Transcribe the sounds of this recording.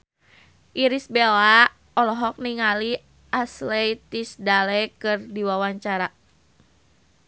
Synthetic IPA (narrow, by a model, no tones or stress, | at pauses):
ʔiɾisbela | ɔlɔɦɔk̚niŋali | ʔaslɛit̪isdalɛkɨrdiwawaɲt͡ʃaɾa